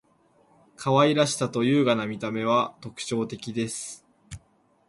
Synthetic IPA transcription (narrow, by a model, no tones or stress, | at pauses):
kʰaβaiɾaɕi̥t̪at̪o̞jɯ̟ːɡanamʲit̪ame̞β̞at̪o̞kɯ̟̥t͡ɕo̞ːt̪e̞kʲid̪e̞sɨ̥